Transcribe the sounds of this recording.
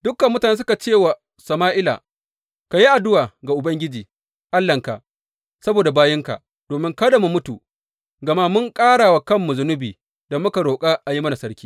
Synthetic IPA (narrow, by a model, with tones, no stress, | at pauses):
dʊ˦kːɐ˨mːʊ˦taː˨neː˦s̬ʊ˦ka˨t͡ʃeː˦˨wa˨ | sɐ˨maː˦ʔɪ˦la̰˨ | ka˨ji˦ʔa˨dʊ˦waː˨ɡa˨ʔʊ˨bɐ˦ŋɡʲɪ˦d͡ʒiː˨ | ʔa˦lːɐ˨ŋka̰˨ʔ | sɐ˦boː˨da˨baː˦jɪ˦ŋka̰˨ | d̥oː˨mɪ˦ŋkɐ˦da˨mu˨mʊ˦tu˨ | ɡɐ˨ma˦mʊ˦ŋkʼaː˦ɽaː˨wa˨kɐ˦mːu˨zʊ˦nʊ˦biː˨ | da˨mʊ˦ka˨ɽoː˨kʼa˦ʔa˨ji˦mɐ˦na˨sɐ˦ɽkʲiː˦